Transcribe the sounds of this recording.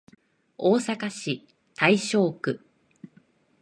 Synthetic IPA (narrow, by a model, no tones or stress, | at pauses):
o̞ːsakaɕi | t̪ʰaiɕo̞ːkɯ̟